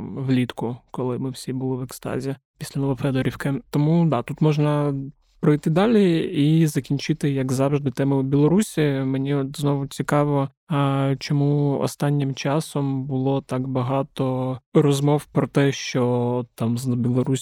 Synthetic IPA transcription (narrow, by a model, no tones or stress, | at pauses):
ʋlʲit̪kʊkɔlˠɪmɪwsʲibʊlˠɪʋɛkst̪ɑ̰zʲi | pʲisʲlʲɐnɔlˠɔfɛd̪ɔɾʲiwkɪt̪ɔmud̪ɑt̪ut̪mɔʒnɐ | pɾɔjt̪ɪd̪ɑlʲiizɐkʲinʲt͡ʃɪt̪ɪjɐkzɑwʒd̪ɪt̪ɛmʊbʲilˠɔɾusʲimenʲiɔt̪znɔʋʊt͡sʲikɑʋɔ | t͡ʃɔmuɔ̰st̪ɑnʲːɪmt͡ʃɑsɔmbʊlˠɔt̪ɑkbɐɦɑt̪ɔrɔzmɔwpɾɔt̪ɛʃt͡ʃɔt̪ɑmzbʲilˠɔɾusʲ